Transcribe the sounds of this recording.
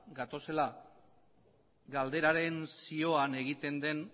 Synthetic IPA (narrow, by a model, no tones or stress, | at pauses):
ɡat̪o̞se̞la | ɡald̪e̞ɾaɾe̞nsio̞ane̞ɣ̞it̪e̞nd̪e̞n